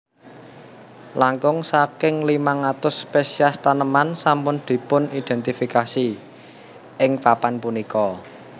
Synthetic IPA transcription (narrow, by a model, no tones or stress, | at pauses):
laŋkʊŋsakɪŋlimaŋat̪ʊsːpesiast̪anəmansampʊnd̪̥i̤pʊnid̪̥ɛ̤nt̪ifikasi | ɪŋpapanpunikɔ